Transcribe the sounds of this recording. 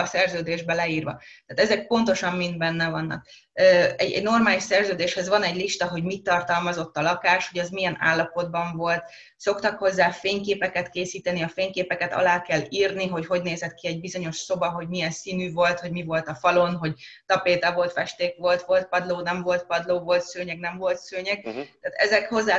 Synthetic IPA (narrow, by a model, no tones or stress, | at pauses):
ɒsɛrzøːd̪eːʒbɛlɛiːrʋɒ̰t̪aːt̪ɛzɛk̚po̞nt̪o̞ʃɒmmind̪bɛnːɛvɒnːɒ̰k̚ | øɛɟɛ̰ɟno̞rmaːliʃsɛrzøːd̪eːʃhɛzʋɒnɛɟliʃt̪ɒɦo̞ɟmit̪ːɒrt̪ɒlmɒzo̞t̪ːɒlɒkaːʃho̞ɟɒzmijɛna̰ːlːɒpo̞d̪bɒɱvo̞lt̪ | so̞kt̪ɒkho̞zːaːfeːɲkeːpɛkɛt̪keːsiːt̪ɛniɒfeːɲkeːpɛkɛt̪ɒ̰laːkɛlːiːrniɦo̞cho̞ɟneːzɛt̪̚kiɛɟbizo̞ɲo̞ʃso̞bɒɦo̞ɟmijɛnsiːnyːvo̞lt̪ho̞ɟmivo̞lt̪ɒfɒlo̞nɦo̞ɟt̪ɒpeːt̪ɒvo̞lt̪fɛʃt̪eːkʋo̞lt̪ʋo̞lt̪̚pɒd̪loːnɛɱvo̞lt̪̚pɒd̪loːvo̞lt̪søːɲɛɡnɛɱvo̞lt̪søːɲɛɡ̚t̪aːt̪ɛzɛkho̞zːaː